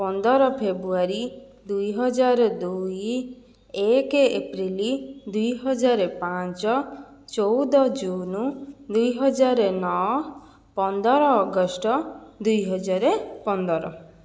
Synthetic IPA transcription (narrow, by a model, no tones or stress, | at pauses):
pɔnd̪ɔɾɔpʰebɾuaɾi | d̪ujɦɔd͡ʒaɾɔd̪uj | ekeḛpɾilid̪ujɦɔd͡ʒaɾepãt͡ʃɔt͡ʃɔwd̪ɔd͡ʒunud̪ujɦɔd͡ʒaɾenɔ | pɔnd̪ɔɾɔːɡɔsʈɔd̪ujɦɔd͡ʒaɾepɔnd̪ɔɾɔ̰